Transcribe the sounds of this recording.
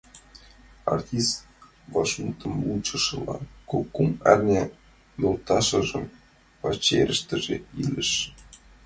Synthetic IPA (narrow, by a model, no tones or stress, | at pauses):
ɑ̰rtʲist̪ | vɑʃmut̪ɤ̆mut͡ɕɤ̆ʃɤ̆lˠɑkokːumærʲnʲe | jolˠt̪ɑʃɤ̆ʐɤ̆m | pɑt͡ɕeɾʲə̆ʃt̪ɘ̆ʒeilʲɘ̆ʃ